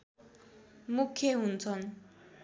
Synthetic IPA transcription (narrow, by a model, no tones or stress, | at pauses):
mukʰːjeɦunt͡sʰʌn